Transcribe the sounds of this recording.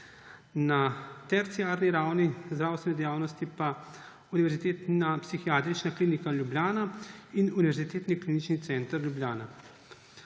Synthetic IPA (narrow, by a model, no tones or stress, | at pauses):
nat̪ɛɾt̪sijaːɾniɾaːwnizd̪ɾaːwst̪ʋɛnɛd̪ɛjaːwnɔst̪ipa | uniʋɛɾzit̪eːt̪apsixijaːt̪ɾit͡ʃnakliːnikalʲjubljaːnainuniʋɛɾzit̪eːt̪niklinit͡ʃnit̪sɛnt̪əɾjubljaːna